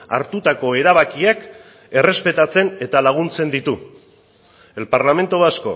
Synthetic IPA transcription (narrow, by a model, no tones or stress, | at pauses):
a̰ɾt̪ut̪ako̞e̞ɾaβ̞akiak | e̞re̞spe̞t̪at͡se̞ne̞t̪alaɣ̞unt͡se̞nd̪it̪u | e̞lpaɾlame̞nt̪oasko̞̰